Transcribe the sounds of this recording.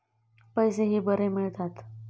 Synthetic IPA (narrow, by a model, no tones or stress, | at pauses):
pəjseɦiːbəɾemiɭt̪at̪